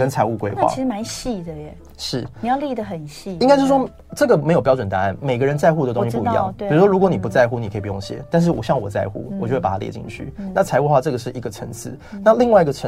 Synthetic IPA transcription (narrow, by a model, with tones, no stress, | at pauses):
kə˦˥nt͡sʰa˧˥ɪu˥˩kwe˥ɪxwa̰˥˨˦ʂɻ̩˧ma˧˥˦nɕi˥˩d̪ə˩˨˩ | ʂɻ̩˥˩i˩jli˥˩d̪ə˩xə˨˩nɕi˥˩i˥ŋka˥t͡ɕo˥˧ʂ̩˥ʂʰɔ˥ | ʈ͡ʂɤ˥˩ɡə˨˩me˧˥ɪjo˨˩pjɑ˥ʊʈ͡ʂwə˨˩nt̪a̰˧˦a˥˩nme˨˩ɪɡə˦ɻə˧˦nt͡sa˥˧ɪxu˧o˧˩t̪ʊ̃˧˥ŋɕi˥˧pu˥˨i˧˦jɑ̰˥˧˨ŋi˩˨˩u˦˥ʂwɔ˥ɻu˧˥kwɔ˧˦ni˨˩pu˧˦t͡sa˥˧ɪxu˥˧ni˨˩kʰə˧˥˨pjo˥˩ɕjɛ̰˦t̪a˥˧nʂ̬̩˥˩wɔ̰˨˩ɕjɑ˥˩ŋwɔ̰˨˩t͡sa˥˧ɪxṵ˥˩wɔ˨˩t͡ɕo˥˧xa˨˩a˥jɛ̰˧˥t͡ɕḭ˥˧ŋt͡ɕʰy̰˥˩na˥˩t͡sʰa˧˥ɪu˥˧xwa˥˧ʈ͡ʂɤ˥˩ɡə˩ʂɻ̩˥˩i˧˥ɡə˨ʈ͡ʂʰə˧˥nt͡sʰɹ̩˥˩na˥˧li˥˧ŋwa˥˩i˧˥ɡə˨˩ʈ͡ʂʰə˧˦